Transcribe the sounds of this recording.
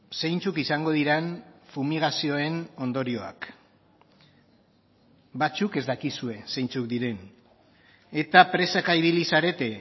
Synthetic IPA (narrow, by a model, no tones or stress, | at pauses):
se̞jnt͡sukisaŋɡo̞ðiɾenfumiɣasio̞e̞no̞nd̪o̞ɾio̞a̰k | bat͡suke̞zd̪akisue̞se̞jnt͡suk̚d̪iɾe̞n | e̞t̪apɾe̞sakaiβ̞ilisaɾe̞t̪e̞